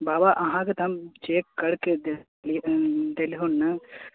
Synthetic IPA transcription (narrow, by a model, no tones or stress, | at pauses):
baːbaʔɐɦãket̪ʰɐmt͡ʃeːkːɐɽked̪ | lid̪eliɦonːɐ